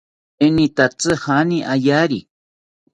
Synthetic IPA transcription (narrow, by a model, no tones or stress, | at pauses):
enĩt̪at͡sɨhanĩʔajaɾi